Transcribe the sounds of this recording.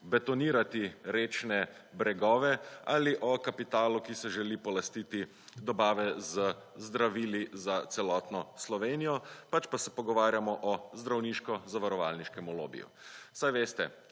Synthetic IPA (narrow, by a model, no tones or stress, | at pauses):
bɛt̪ɔniːɾat̪iɾeːt͡ʃnɛbɾɛɡɔːʋɛaːliʔɔkapit̪aːlukisɛʒɛliːpɔlast̪iːt̪i | d̪ɔbaːʋɛzəzd̪ɾaʋiːlizat̪sɛlɔːt̪nɔslɔʋeːnijɔpat͡ʃpasɛpɔɡɔʋaːɾjamɔʔɔzd̪ɾawniːʃkɔzaʋaɾɔʋalniʃkɛmɔlo̰ːbḭjṵsajʋeːst̪ɛ